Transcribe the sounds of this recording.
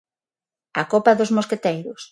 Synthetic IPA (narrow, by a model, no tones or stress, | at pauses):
ɐkopɐðozmosket̪ejɾʊs